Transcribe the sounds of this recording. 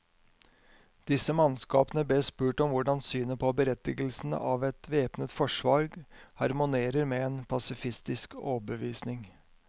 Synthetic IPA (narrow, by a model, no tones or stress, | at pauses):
d̪̥ɪsəmɑnskɑːpənəb̪eːspʉːʈɔmʋʊɖɑnsyːnəpʰɔbəɾɛt̪ːɪɡəlsn̩ə̰ʔɑːʋɛt̪ʋeːpnət̪fɔʂʋɑɾɡhɑɾmʊneːɾəɾmeeːnpʰɑsɪfɪst̪ɪskoːbəʋiːsnɪŋ